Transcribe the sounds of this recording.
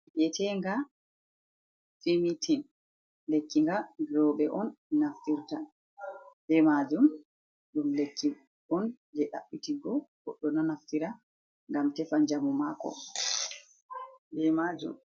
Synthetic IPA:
ɗɛtɛŋɡa | fimitʰin | lekːiŋɡaɡɾɔɓɛʔɔnːaftiɾta | bɛmad͡ʒum | ɗumlekːi | ɔn | d͡ʒɛɗa̰ɓːitiɡɔɡɔɗːɔnanaftiɾa | ŋɡamtɛfand͡ʒamɔmakɔ̰ | bɛmad͡ʒṵm

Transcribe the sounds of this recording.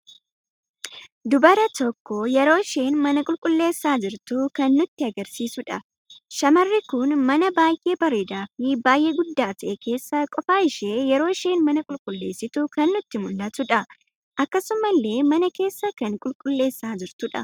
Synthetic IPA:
d̪ʊbɐɾɐt̪ɔkːɔjɛɾo̞ːʃe̞ːnmɐnɐkʼʊlkʼʊlːe̞ːsːaːd͡ʒɪɾt̪ʊkɐnːʊt̪ːɪɐɡɐɾsiːsʊᶑɐ | ʃɐmɐrːɪkʊnmɐnɐbaːjʔe̞ːbɐɾeːd̪aːfɪbaːjʔeɡʊd̪ːaːt̪ɐʔɛke̞ːsːɐkʼɔfaːɪʃe̞ːjɛɾo̞ːɪʃe̞ːnmɐnɐkʼʊlkʼʊlːe̞̰ːsːɪt̪ʊkɐnːʊt̪ːɪmʊlːɐt̪ʊᶑɐ | ʔɐkːɐsʊmɐlːe̞ːmɐnɐke̞ːsːɐkɐŋkʼʊlkʼʊlːe̞ːsːaːd͡ʒɪɾt̪ʊᶑɐ̰

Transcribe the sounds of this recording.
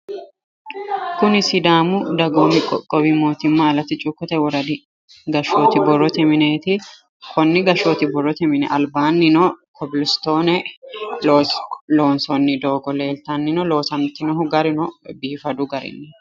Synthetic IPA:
kʊnɪsɪd̪aːmʊd̪ɐɡoːmɪkʼɔ̰kʼɔbimo̞ːt̪ɪmːaɐlɐt̪ːɪt͡ʃʼʊkːɔt̪ɛwɔɾɐd̪ɪ | ɡɐʃoːt̪ɪbɔrːɔt̪ɛmɪneːt̪ɪ | kʰɔnːɪɡɐʃoːt̪ɪbɔrːɔt̪ɛmɪnɛ̰ʔɐlbaːnːɪnɔkʰɔbɪlɪst̪o̞ːnɛ | lo̞ːnsɔnːɪd̪o̞ːɡɔle̞ːlt̪ɐnːɪnɔlo̞ːsɐmt̪ɪnɔɦʊɡɐɾɪnɔbiːfɐd̪ʊɡɐɾɪ̰nːɛ

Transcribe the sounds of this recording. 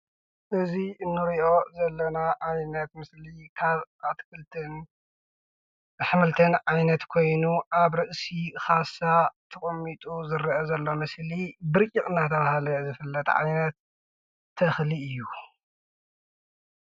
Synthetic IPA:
ʔɨziɨnːɨɾiʔo̞zɐlːɐnaʔajnɐt̪mɨslikʰaβʔat̪kʰɨlt̪ʰɨn | ħɨmɨlt̪ʰɨnʕajnɐt̪kʰo̞jnuʔaβɾɨʔsixasat̪ʰɐkʼɐmit̪ʼuzɨɾʔɐzɐlːo̞mɐslibɨɾkʼikʼɨnat̪ʰɐβahalɐjzɨfɨlːɐt̪ʕa̰jnɐt̪ʰː | ɐxliɨjːu

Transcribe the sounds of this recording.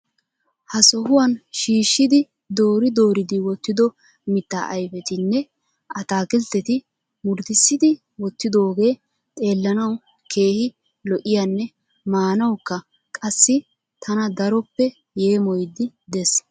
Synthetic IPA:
hɐsɔhʊwɐnʃiːʃːɪd̪ɪ | d̪o̞ːɾɪd̪o̞ːɾɪd̪ɪwɔt̪ːɪd̪ɔ | mɪt̪ːa̰ːʔɐjfɛt̪ɪnːɛ | ʔɐt̪aːkɪlt̪ːɛt̪ɪ | mʊɾd̪ɪsːɪd̪ɪ | wɔt̪ːɪd̪o̞ːɡe̞ː | t̪ʼe̞ːlːɐnɐw | kʰe̞ːhɪ | lɔʔɪjanːɛ | maːnɐwkːɐ | kʼɐsːɪ | t̪ʰɐnɐd̪ɐɾɔpːɛ | jeːmɔjd̪ɪ | d̪ɛs

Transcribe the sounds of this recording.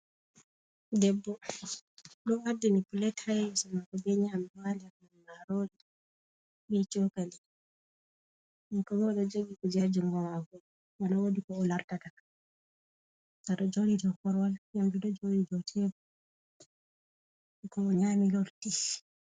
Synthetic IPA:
dɛbːɔ | ɗɔwaɾdinipulɛthajsɔmakɔbɛɲaamwaliamanmaɾodi | ɓɛt͡ʃɔkali | nikɔwɛːɗɔd͡ʒoɡikɔd͡ʒad͡ʒumɡɔwaɡu | waɗɔwodikɔːlaɾtataa | saɗɔd͡ʒoɾidɔkɔɾwaljamdiɗɔd͡ʒolidɔtʰɛbɔ | kɔːɲamilɔlti

